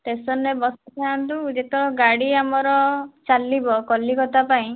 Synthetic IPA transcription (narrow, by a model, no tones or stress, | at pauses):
t̪esɔnːebɔsɔt̪ʰaant̪ud͡ʒet̪ɔɡaɽiamɔɾɔt͡ʃalibɔkɔlikɔt̪apaĩ